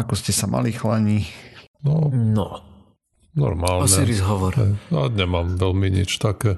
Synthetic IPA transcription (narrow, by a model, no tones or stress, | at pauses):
akɔscɛsamʔa̰lixlaɲinɔnɔ | nɔ̰ɾmaːlɔnɛiɾizɦɔʋɔɾɛaɲɛmaːmʋɛlmiɲḭt͡ʃt̪akɛː